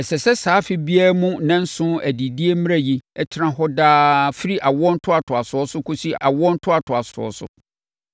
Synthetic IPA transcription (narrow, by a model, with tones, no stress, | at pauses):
ɛ˨sɛ˨sɛ˦saː˨˦fɪ˦bi˦a˦mũ˦nã˦n̩˦sʊ̃˦æ˨di˨di˦e˦m̃˦a˦ji˦ɛ˦t͡ɕʰɪ˦ɾã˦ɦɔ˦daː˦fɪ˦ɾi˦ʔa˨wɔ̃˦n̩˦tʰʊ˦a˨tʰʊ˨a˨sʊ˨ɔ˦sʊ˦kʰo˦si˦a̰˨wɔ̃˦n̩˦tʰʊ˦a˨tʰʊ˨a˨sʊ˨ɔ̰˦sʊ̰˨